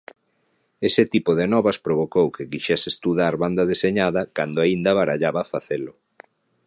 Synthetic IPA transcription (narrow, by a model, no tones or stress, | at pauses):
esɪt̪ipoðenɔβɐspɾoβ̞okowkekiʃɛsest̪uðaɾβand̪ɐðeseɲaðɐkand̪ʊaind̪aβaɾaʎaβafaθelʊ